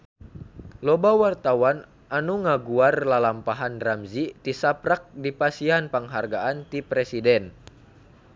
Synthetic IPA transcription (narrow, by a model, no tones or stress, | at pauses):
lɔbawart̪awan | ʔanuŋaɡuarlalampaɦanramzit̪isapɾak̚dipasianpaŋɦarɡaʔant̪ipɾɛsidɛn